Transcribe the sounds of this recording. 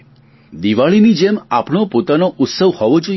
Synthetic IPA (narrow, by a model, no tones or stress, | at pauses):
d̪iʋaɭinid͡ʒemapɳ̃opot̪anoʔʊt̪səʋhɔʋod͡ʒo